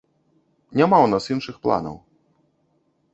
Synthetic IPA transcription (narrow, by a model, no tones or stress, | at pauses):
nʲamawnasinʂɨxplˠa̰nɐ̰w